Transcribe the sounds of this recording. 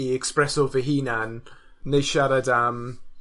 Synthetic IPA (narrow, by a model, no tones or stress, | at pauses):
ɛkspɾɛsɔvəɦiːnanːejʃaɾadam